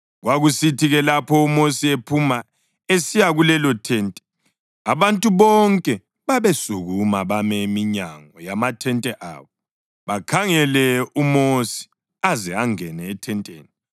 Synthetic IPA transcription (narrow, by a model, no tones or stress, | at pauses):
ɣwaɣusitʰiɣɛlapʰɔumosiepʰuma | esijaɣulɛlɔtʰɛːntʼɛ̥ | aβantʼuβɔŋkʼɛ | βaβesuɣumaβamɛmiɲa̰ŋɔjamatʰɛntʼɛʔa̰ːβɔ | βakʰaŋɛlɛumosi̥ | azɛaŋɛnɛːtʰɛntʼḛːni